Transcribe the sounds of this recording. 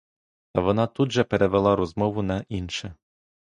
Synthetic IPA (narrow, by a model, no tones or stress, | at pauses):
t̪ɐʋɔnɑt̪ud̪ʒɛpeɾʔɛʋɛlˠɑɾɔzmɔʋʊnɐʔinʃɛ